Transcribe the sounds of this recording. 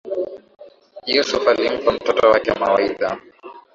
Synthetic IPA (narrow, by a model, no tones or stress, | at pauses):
jɛsufalim̩kam̩tɔtɔwakɛmawaiɗa